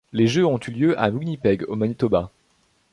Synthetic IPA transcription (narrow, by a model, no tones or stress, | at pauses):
leʒøɔ̃t̪yljøʔa̰muɡnipɛɡomanit̪ɔba